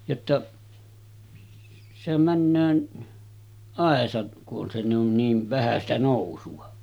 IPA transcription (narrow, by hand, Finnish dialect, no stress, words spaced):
jotːɑ sehæm mænːøː ɑˑesɑt kuʔ ʔon se on niːʋ ʋæhæ sitæ noˑusuɑ